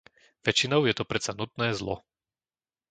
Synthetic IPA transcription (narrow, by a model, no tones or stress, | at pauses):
ʋɛt͡ʃinɔʊjɛt̪ɔpɾɛsanut̪nɛːzlɔ̰